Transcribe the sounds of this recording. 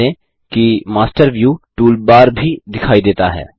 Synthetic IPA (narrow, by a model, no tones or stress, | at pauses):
ẽ | kimaːsʈəɾʋjuːʈuːlbaːɾbʱid̪ɪkʰaːid̪eːt̪aɦɛ̰ː